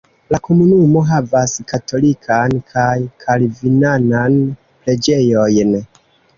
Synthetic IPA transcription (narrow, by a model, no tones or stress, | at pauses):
lako̞munumo̞ɦavaskatʰo̞likʰankʰajkʰalvinanan | ple̞d͡ʒe̞jo̞jn